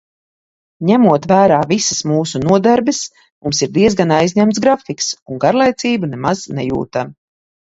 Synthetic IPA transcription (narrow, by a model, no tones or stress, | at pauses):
ɲæmuɔt̪væːɾaːvisəsmuːsunuɔd̪aɾbɪs | mumsiɾd̪iɛzɡanajzɲæmt̪sɡɾafiksuŋɡaɾlˠajt̪iːbunɛmaz̥nɛjṵːt̪am